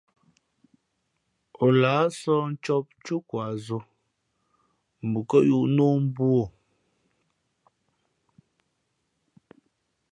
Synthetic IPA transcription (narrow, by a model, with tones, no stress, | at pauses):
ɔ˨laː˨˦sɔ˦n̩˦t͡ʃɔ˦p̚t͡ʃu˦kwa˨zo˦ | m̩˨bu˨kə˦ʔju˦˨ʔno˦m̩˦bwo˦˨